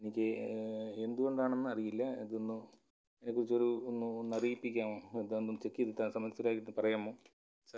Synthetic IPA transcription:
enikʲːɨ | e̞nd̪uɣo̞ɳɖaːɳenːɨɐrijilːɐḛðonːɨ | enːekːurit͡ɕːo̞ɾuonːuonːɐriːipːikʲːaːmoed̪and̪onːɨt͡ɕe̞kːijɐðɨt̪ːaːnsɐmɐlsɐɾaːjkːiʈunːɨpɐrɐjaːmːoː | sɐ

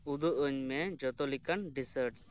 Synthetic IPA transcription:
ud̪uʔəɲmed͡ʒɔt̪ɔlikanɖisəɾʈs

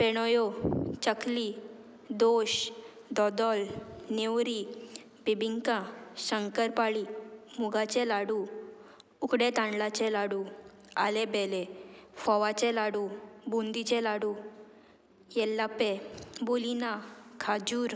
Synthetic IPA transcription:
peɽ̃ɔjot͡ɕəkli | d̪oɕ | d̪ɔd̪ɔlnewɾi | pibiŋkãɕəŋkəɾpaɭimuɡat͡ɕɛlaɽu | ukɽet̪ãɳɖlat͡ɕɛ̃laɽu | a̰lebɛlefɔʋat͡ɕɛlaɽubund̪it͡ɕɛlaɽu | jɛlːapebulinakʰad͡ʑuːɾ

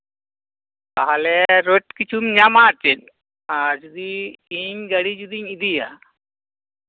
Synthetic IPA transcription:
kaɦalɛɾoʈkit͡ʃʰumɲamaːt͡ʃen | ad͡ʒud̪iːɲɡɐɽid͡ʒud̪iɲid̪ija̰

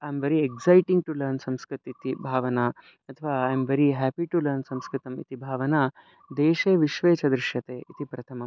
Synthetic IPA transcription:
ajmʋeɾieɡsajʈĩŋɡ̚ʈulɐɾnsɐ̃mskɾɪt̪it̪ibʱaːʋɐnaː | ɐt̪ʰɐʋaːajmʋeɾiɦæpiʈulɐɾnsɐ̃mskɾɪt̪ɐmḭt̪ʰibʱaːʋɐnaː | d̪eːʃeːʋiʃʋeːt͡ʃɐd̪ɾɪʃjɐt̪eːʔit̪ʰipɾɐt̪ʰɐmɐm

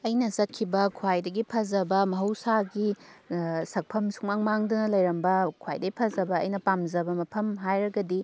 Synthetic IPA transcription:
ɐjnɐzɐt̚kʰːibɐkʰwajdɐɡipʰɐzɐbɐmɐɦɐwsaɡi | sɐk̚pʰɐmsu̥kmaŋmaŋdɐnɐlɐjɾɐmbɐkʰwa̰jdɐɡipʰɐzɐbɐ̰ːjnɐpamzɐbɐmɐpʰɐmɦajɾɐɡɐdi

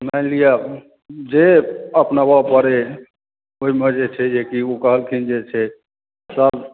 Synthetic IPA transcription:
malija | d͡ʒeəpnabapəɾe | oimed͡ʒet͡ʃʰɛd͡ʒekiokəɦəlkʰind͡ʒet͡ʃʰɛ | səb

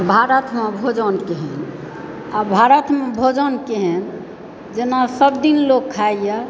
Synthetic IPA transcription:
bʱaɾət̪mebʱod͡ʒənkeɦɛn | abʱaɾət̪mẽbʱod͡ʒənkeɦɛn | d͡ʒenasəbd̪inlokʰːaijə

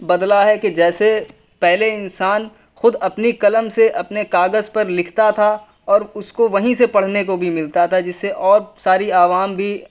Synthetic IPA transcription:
bɐd̪laɦɛked͡ʒɛːse | pɛɦleɪnsaːn | xʊd̪ɐpnikɐləmseʔɐpnekaːɡəzpɐɾlɪkʰt̪at̪ʰa | ɔːɾʊskoʋɐɦĩsepɐɽ̤nekobʱimɪlt̪at̪ʰad͡ʒɪsːeʔɔːɾsaːɾiaːʋaːmbʱi

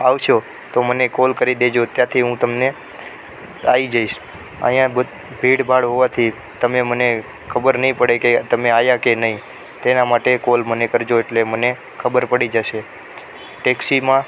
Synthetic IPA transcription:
aʋʃo | t̪omənekolkəɾid̪ed͡ʒot̪jãt̪ʰiɦũt̪əmne | aid͡ʒaiʃ | ə̰jãbə | bʱiɽbʱaɽɦoʋat̪ʰi | t̪əmeməne | kʰəbəɾnəɦĩpəɽeket̪əmeajakenəɦĩ | t̪enamaʈekolmənekəɾd͡ʒoeʈleməne | kʰəbəɾpəɽid͡ʒəʃe | ʈeksimã

